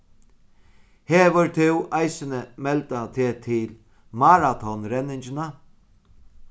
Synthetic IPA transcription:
heːʋʊɾt̪ʰɪwʔajsənəmɛlt̪at̪ʰeːt̪ʰɪl | maɾat̪ʰɔnɾɛnɪɲt͡ʃɪna

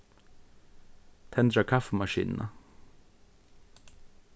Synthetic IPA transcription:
t̪ʰɛnd̪ɾəkʰɑfəmɑʃḭːnnʔə̰

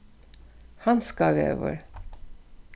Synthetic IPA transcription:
hɑnskɑːɡḛʋə̰ɾ

